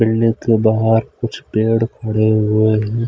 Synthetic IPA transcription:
mɪlnekebaːɦəɾkʊt͡ʃʰpeːɽkʰɐɽeɦʊeɦɛ̃ː

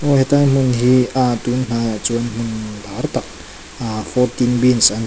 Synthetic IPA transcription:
oɦet̪animuniɦiad̪uninad͡zuanimuniibaɾt̪a | afoɾt̪inbinizani

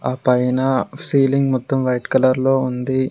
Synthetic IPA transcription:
aːpɐjnɐsiːliŋɡmɔt̪ːɐmʋɐjʈkɐlɐɾlo̞ːund̪i

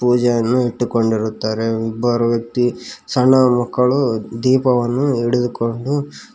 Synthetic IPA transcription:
puːd͡ʒɐjɐnːuiʈːuko̞ɳɖiɾut̪ːaːɾe̞ibːɐɾuʋjɐk̚t̪isɐɳːɐmɐkːɐɭud̪iːpɐʋɐnːuiɽud̪uko̞ɳɖu

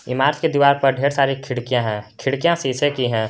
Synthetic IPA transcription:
ɪmaːɾt͡ʃked̪iʋaːɾpɐɾɖʱeːɾsaːɾikʰɪɽkijãɦɛ̃ːkʰɪɽkijãsisekiɦɛ̃ː

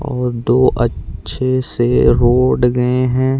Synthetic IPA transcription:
ɔːɾd̪oːʔɐtːʃʰeseɾoːɖɡɐeɦɛ̃ː

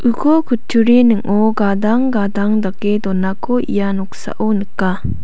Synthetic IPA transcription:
ʔɯkʰɔkʰutʰuɾinɯŋɔɡadaŋɡadaŋdakːed̪ɔnːakʰɔʔḭjanɔk̚sa̰ʔunɯkːa

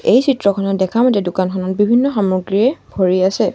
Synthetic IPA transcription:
ejsitɹɔkʰɔnɔtdɛkʰamɔtɛdʊkankʰɔnɔt̚bibʱinːɔxamɹuɡɹiɹɛbʱoɹiasɛ

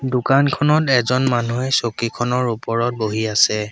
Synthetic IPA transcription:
dʊkankʰɔnɔtɛzɔnmanuɛsokikʰɔnɔɹupɔɹɔt̚boɦiasɛ

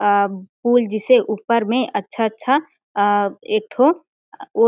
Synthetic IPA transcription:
puːld͡ʒɪseʔuːpəɾmẽʔətːʃʰatːʃʰa | eːk̚ʈʰo | oː

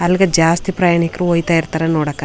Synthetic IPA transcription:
ɐlɡɐd͡ʒaːst̪ipɾɐjaːɳikɾuojt̪aːjiɾt̪aːɾenɔːɽɐkːa

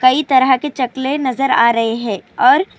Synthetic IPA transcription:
kɐit̪ɐɾəɦket͡ʃɐklenɐzəɾa̰ːɾɐɦeɦɛ̃ːɔːɾ

